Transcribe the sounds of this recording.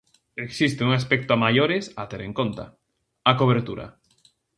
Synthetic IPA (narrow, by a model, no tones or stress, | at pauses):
eksist̪euŋaspɛk̚t̪oamajoɾɪsat̪eɾeŋkont̪a̰ | akoβ̞eɾt̪uɾa̰